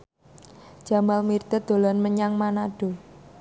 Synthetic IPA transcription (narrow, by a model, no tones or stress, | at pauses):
d͡ʒ̥a̤malmirt̪əd̪̥o̤lɔnməɲaŋmanaɖ̥o̤